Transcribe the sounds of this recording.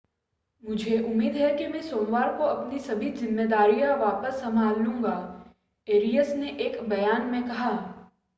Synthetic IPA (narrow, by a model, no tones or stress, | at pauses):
mʊd͡ʒʱeʔʊmːiːd̪ɦɛkemɛ̃soːnʋaːɾkoɐpnisɐbʱizɪmːeːd̪aːɾijaʋaːpəsːɐmaːlːũːŋɡa | eːɾijəsneʔeːkbɐjaːnmẽkɐɦaː